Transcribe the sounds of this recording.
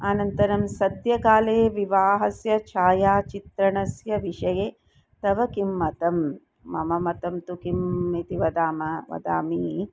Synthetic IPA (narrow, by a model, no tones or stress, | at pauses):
aːnɐnt̪ɐɾɐmsɐd̪jɐkaːleːʋiʋaːɦɐsjɐt͡ʃʰaːjaːt͡ʃit̪ɾɐɳɐsjɐʋiʂɐjeː | t̪ɐʋɐkimːɐt̪ɐmː | ɐ̰mɐmɐt̪ɐmt̪ukimit̪iʋɐd̪aːmɐʋɐ̰d̪a̰ːmi